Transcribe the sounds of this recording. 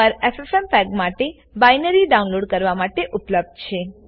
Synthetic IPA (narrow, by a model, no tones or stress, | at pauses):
əɾefesɛmpɛɡmaʈe | bajnəɾiɖaũnloɖkəɾʋamaʈeʔʊpləb̚d̪t͡ʃʰe